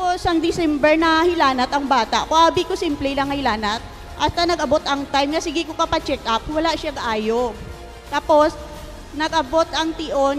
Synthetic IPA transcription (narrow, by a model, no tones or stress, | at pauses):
aposɐŋd̪ɪsɛmbɛɹnɐhɪlaːnɐt̪ɐŋbaːt̪ɐ̰ʔkoʔaːbikosimplɛlɐŋɐhɪlaːnɐt̪̚ | ʔɐst̪ɐnɐɡɐbo̞t̪ɐŋt̪ajmkɐsɪɡɪkokɐpɐt͡ʃɛkʔɐp̚wɐlaʔʃaɡʔaːjo̞ | t̪aːpo̞s | nɐɡʔɐbo̞t̪ʔɐŋt̪ɪʔo̞n